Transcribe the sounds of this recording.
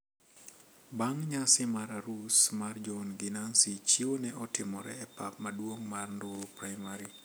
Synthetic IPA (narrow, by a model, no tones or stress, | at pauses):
baŋɲasɪmaɾaɾusmard͡ʒɔnɡɪnansit͡ʃiwonɛʔɔtɪmɔɾɛ̰ɛpap̚madwoŋmarndʊɾopɾaɪmaɾi